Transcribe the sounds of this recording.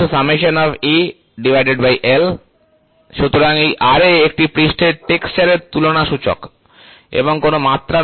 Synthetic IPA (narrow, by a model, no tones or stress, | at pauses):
usameʃonɔfi | ɖivʱajɖeɖbajʔel | ʃut̪oɾaŋejʔaɾeek̚ʈipɾisʈeɾʈekst͡ɕaɾeɾt̪ulonaʃut͡ɕo̰k | ḛboŋkonomat̪ːɾa